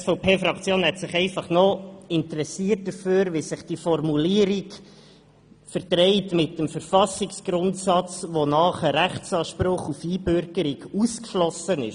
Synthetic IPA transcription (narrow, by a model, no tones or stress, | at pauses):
sfɔʊpʰeːfɾɑkt͡sjoːnhɛtsɪχɛɪfɑχnɔɪntəɾɛsiːərt̚d̥əføːɾʋisɪχd̥ifɔrmuliəɾik | fəɾdɾɛɪtmɪtːəmfəɾfɑsɪksɡ̥ɾʊntsɑt͡sʋonɑːχəɾæχtt͡sɑːʃpɾʊχufiːbøɾɡəɾiɡuskʃlɔsənɪʃ